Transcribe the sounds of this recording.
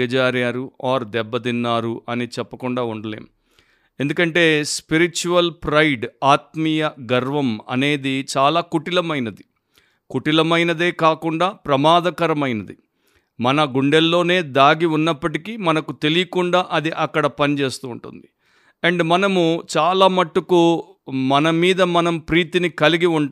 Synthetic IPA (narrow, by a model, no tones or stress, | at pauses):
ɐd͡ʒaːɾjaːɾuaːɾd̪ɛbːɐd̪inːaːɾuʔɐnit͡ʃɛpːɐkuɳɖaːuɳɖɐlḛːm | e̞nd̪ukɐɳʈe̞ːspiɾit͡ʃuʋɐlpɾɐjɖaːt̪̚mijɐɡɐɾʋɐmɐ̰ne̞ːd̪it͡ʃaːlaːkuʈilɐmɐjnɐd̪i | kuʈilɐmɐjnɐd̪e̞ːkaːkuɳɖaːpɾɐmaːd̪ɐkɐɾɐmɐjnɐd̪i | mɐnɐɡuɳɖelːo̞ːne̞ːd̪aːɡiunːɐpːɐʈikimɐnɐkut̪e̞lijɐkuɳɖaːʔɐd̪iʔɐkːɐɽɐpɐnit͡ʃe̞ːst̪uːɳʈṵnd̪i | eɳɖmɐnɐmut͡ʃaːlaːmɐʈːuku | mɐnɐmiːd̪ɐmɐnɐmpɾiːt̪inikɐliɡiuɳ